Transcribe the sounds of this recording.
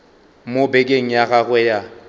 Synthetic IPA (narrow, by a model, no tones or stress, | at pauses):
mobekʼeŋ̩jaɣaɣwɛja